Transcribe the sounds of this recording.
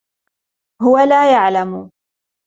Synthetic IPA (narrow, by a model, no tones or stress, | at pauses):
hʊwalaːjaʕlamʊ